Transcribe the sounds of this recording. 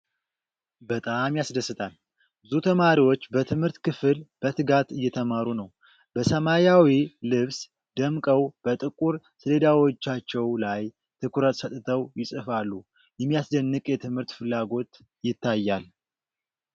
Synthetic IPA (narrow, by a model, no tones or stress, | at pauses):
bət̪ʼamjasd̪əsːɨt̪ʰʼal | bɨzut̪ʰəmaɾiwo̞t͡ʃːbət̪ʰɨmhɨɾt̪kʰɨfɨlb̥ət̪ʰɨɡat̪ɨjːɛt̪ʰəmaɾunəw | bəsəmajawilɨβs | d̪əmkʼəwb̥ət̪ʼɨkʼuɾ | sɨled̪awo̞t͡ʃːat͡ʃːɛwlaj | t̪ʰɨkʰuɾət̪sət̪ʼt̪ʰəwjɪsʼɨfalːu | jɛmːijasd̪ənːɨkʼjɛt̪ʰɨmhɨɾt̪fɨlːaɡo̞t̪ | jɪt̪ːajːal